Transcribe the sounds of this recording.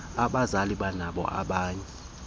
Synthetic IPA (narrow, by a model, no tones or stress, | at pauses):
aɓazaliɓanaɓɔ̰ʔa̰ɓaːɲɛ